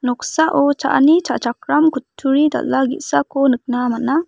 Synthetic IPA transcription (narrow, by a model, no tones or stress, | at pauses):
nɔksaʔot͡ʃa̰ʔnit͡ʃa̰ʔt͡ʃakɾamkutʰːuɾid̪ɐ̰lːaɡḭʔsakonɨk̚namɐna